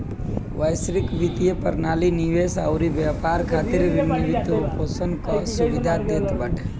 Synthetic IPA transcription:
ʋəjsɾɪkʋit̪ijepəɾnaːliniʋesaʊɾibjapaːɾkʰaːt̪ɪɾʋinːeʋɪt̪opʰoːsənkɔsuʋɪd̪ʱad̪eːt̪bəʈʰ

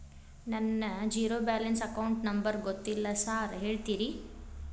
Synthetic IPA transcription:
nɐnːɐd͡ʒiːɾoːbaːlɐnsɐkɐwɳʈnɐmbɐɾɡot̪ːilːɐsaːɾɦe̞ːɭt̪iːɾi

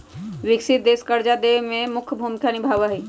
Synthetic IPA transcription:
ʋɪksɪt̪̚d̪eːskəɾd͡ʒad̪emẽmʊkʰbʱumkʰjanɪbʱaʋaɦi

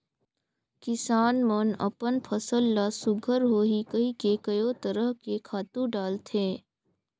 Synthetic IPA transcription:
kɪsaːnmənə̰pənpʰəsəlːasʊɡʱəɾɦoːɦikəikekəjot̪əɾəɦkekʰaːt̪ũɖaːlt̪ʰeː

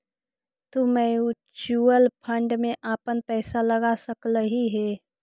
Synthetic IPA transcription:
t̪ʊmẽju | t͡ʃuːəlpʰə̃ɳɖmẽʔaːpənpɛːsalɐɡasəkləɦiɦɛː

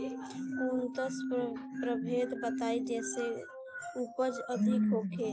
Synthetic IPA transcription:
unt̪əspɾəbʱeːd̪bət̪aid͡ʒɛːse | upəd͡ʒəd̪ʱikɦokʰe

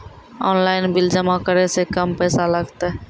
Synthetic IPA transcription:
ɔːnlaːɪnbɪld͡ʒəmakəɾesekəmpɛːsaləɡt̪a

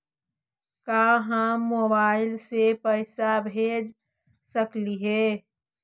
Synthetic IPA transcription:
kaɦəmobaɪlsepəɪsabʱed͡ʒ | səkliɦe

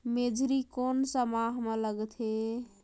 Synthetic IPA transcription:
med͡ʒʱɾikonsəmaɦmeləɡt̪ʰɦe

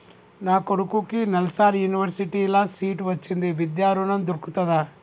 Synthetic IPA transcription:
naːkoɽukuːkinɐlsaːɾjuniʋɐɾsiʈiilːɐsiːʈʋɐt͡ʃːind̪eʋid̪jaːɾunɐnd̪uɽkut̪ɐd̪ɐ

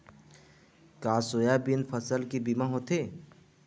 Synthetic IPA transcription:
kaːsojabinpʰəsəlkibimaɦot̪ʰe

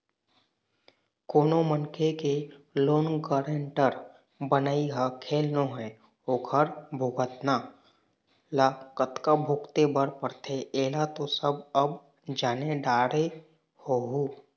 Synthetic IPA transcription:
koːnomənkʰekeloːnɡəːɾeɳʈəɾ | bənaːiɦakʰeːlnoɦɛ | oːɡʰʱəɾbʱʊɡət̪naː | lakət̪kabʱʊkt̪ebəɾpəɾt̪ʰeeːlat̪osəbəb | d͡ʒaːneɖaːɽe | hoɦuː

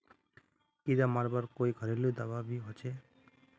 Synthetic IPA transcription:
kiɾamaɾbaɾkojɡʱʌɾeled̪ababiɦɔt͡ʃʰe

